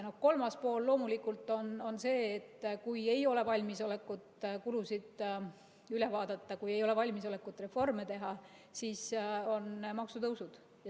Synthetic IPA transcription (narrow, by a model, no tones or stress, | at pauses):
no̞hko̞lmɑspo̞ːlːo̞ːmulikːˑult̪ːˑo̞no̞nse̞ːt̪ːkuje̞jo̞le̞vɑlʲmiso̞lekːˑut̪kulusid̪̥ | yle̞vɑːd̪̥ɑt̪ˑːɑkuje̞jo̞levɑlʲmiso̞le̞kːˑut̪ːˑre̞fo̞rmet̪e̞ɦɑ | siːso̞nmɑksut̪ɤwsud̪̥ | j